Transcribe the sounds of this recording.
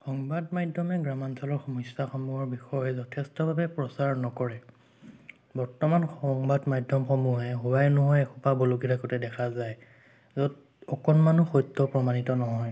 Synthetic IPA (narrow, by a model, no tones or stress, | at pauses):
xɔŋbadmajdʱɔmɛɡɹamansɔlɔɹxɔmɔsaxɔmuɦɔɹbixɔjɔzɔtʰɛstɔbʱabɛpɹɔsaɹnɔkɔɹɛ | bɔɹtɔmanxɔŋbadmajdʱɔmxɔmuɛɦubajnɔɦɔjɛkʰɔpabɔlokiɾakɔtɛdɛkʰazaj | zɔd | ɔkɔnmanuxɔjtːɔpɹɔmanitɔnɔɦɔj